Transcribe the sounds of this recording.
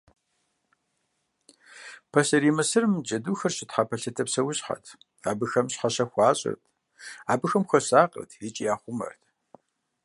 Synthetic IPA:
pʰɐsɐɾiːmɐsɨrmd͡ʒɐduːxɐrɕɪtħapʰɐɬɐtʰɐpsɐwʊɕħa̰tʰ | aːbɨxɐmɕħaɕɐxʷɑːɕʼɪ̰rtʰ | aːbɨxɐmxʷɐsaːqʼə̰rtʰit͡ʃʼijaːχʷʊmɐ̰rtʰ

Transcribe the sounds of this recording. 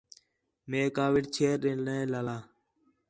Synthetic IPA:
meːkaːʋɪʈt͡ʃʰeːɾɗẽlẽːlaːlaː

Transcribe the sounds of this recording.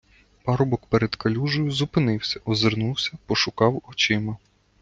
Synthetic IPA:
pɑɾɔbɔkpeɾed̪kɐlʲuʒɔjʊzʊpɪnɪwsʲɐʔɔzernuwsʲɐpɔʃʊkɑwɔt͡ʃɪmɐ

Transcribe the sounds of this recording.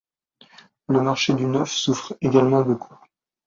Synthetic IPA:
ləmaʁʃed̪ynœfsufχeɡalmɑ̃bokʰu̥

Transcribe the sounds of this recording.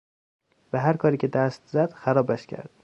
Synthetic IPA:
væɦæɾkʰɒːɾiːcʲʰed̪æst̪zæd̪̥xæɾɒːbæʃcʰæ̰ɾd̪̥

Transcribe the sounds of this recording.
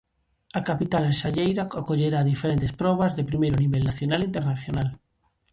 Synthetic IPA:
akapit̪alenʃaʎejɾakakoʎeɾaːðifeɾent̪espɾɔβ̞azðepɾimejɾoniβelnaθjonalint̪eɾnaθjonal

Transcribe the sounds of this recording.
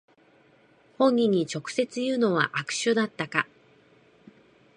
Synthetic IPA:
hõ̞ɲ̟ʲːĩɲ̟ːit͡ɕo̞kɯ̟̥se̞t͡sɨjɯ̟ːno̞βa̰ʔakɯ̟̥ɕɨd̪at̪ːaka

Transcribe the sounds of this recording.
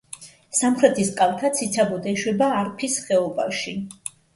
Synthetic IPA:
samχɾɛt̪ʰiskʼalˠt̪ʰat̪sʰit̪sʰabɔd̪ɛʃwɛbaːɾpʰisχɛɔbaʃi

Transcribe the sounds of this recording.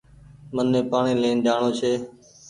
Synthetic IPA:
mənːẽːpaːɳẽːlẽːnd̪aːɳoːt͡ʃʰeː

